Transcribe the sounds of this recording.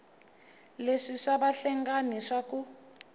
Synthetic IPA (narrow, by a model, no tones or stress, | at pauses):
leʂiʂabaɬɛŋɡaniʂaku